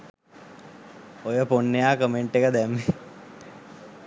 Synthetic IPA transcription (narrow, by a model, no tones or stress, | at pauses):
ojəponːejaːkəmeɳʈekəd̪ɛmːe